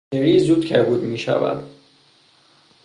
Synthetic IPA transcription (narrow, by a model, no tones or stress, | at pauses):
eɾiːzuːd̪cʰæɾbuːd̪miːʃæ̰væ̰d̪̥